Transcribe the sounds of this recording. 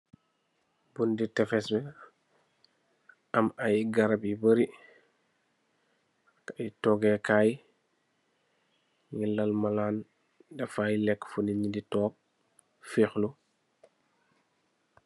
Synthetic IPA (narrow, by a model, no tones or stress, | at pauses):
bunditɛfɛsmɛ | ɐmajiɡɐɾɐbibəɾi | kaitɔɡɛkaːj | ŋilːɐlmɐlaːn | dɛfajlɛkːfuniɲiditɔːp̚ | fiːxlu